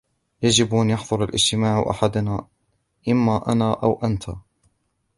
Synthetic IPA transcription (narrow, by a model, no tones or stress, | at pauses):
jad͡ʒɪbʔanjɑħðˤʊɾalʔɪ̰d͡ʒt̪ɪmaːʕʔa̰ħad̪anaː | ʔɪmːaːʔanaːʔawʔant̪ʰa̰ː